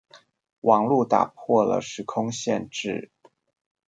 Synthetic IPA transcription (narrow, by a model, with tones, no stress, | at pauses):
wʔɑ˨˩ŋlu˥˩t̪a̰˨˩pʰwɔ˥˩lə̰˩ʂɻ̩˧˥kʰʊ˥ŋɕjɛ˥˧nʈ͡ʂɻ̩˥˩